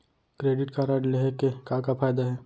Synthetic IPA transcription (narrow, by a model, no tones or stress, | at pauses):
kɾeːɖɪʈkaɾaɖleɦɛkekaːkafʰaːjd̪aɦɛː